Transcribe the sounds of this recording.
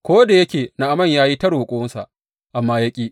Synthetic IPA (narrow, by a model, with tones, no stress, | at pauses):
kʷoː˦da˨jɐ˦kʲeː˨na˨ʔa˨mɐ˦˨ɲjaː˦ji˦tɐ˦ɽhʊ˨kʷʼʊ˦wʊ˦nsa̰˨ʔ | ʔa˨mːaː˦ja˦kʲʼiː˦ʔ